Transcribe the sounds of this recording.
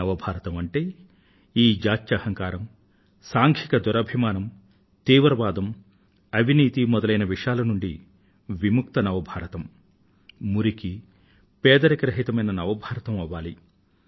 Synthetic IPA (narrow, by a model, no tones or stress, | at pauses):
ɐʋɐbʱaːɾɐt̪ɐmɐɳʈeː | iːd͡ʒaːt̪jɐhɐŋkaːɾɐm | saːŋkʰikɐd̪ɔɾɐbʱimaːnɐm | t̪iːʋɾɐʋaːd̪ɐm | ɐʋʱiniːt̪imɔd̪ɐlɐjnɐʋiʂaːlɐnuɳɖi | ʋimuk̚t̪ɐnɐʋɐbʱaːɾɐt̪ɐmː | uɾiki | pɛːd̪ɐɾɐkɐɾɐɦit̪ɐmɐjnɐnɐʋɐbʱaːɾɐt̪ɐmɐʋaːli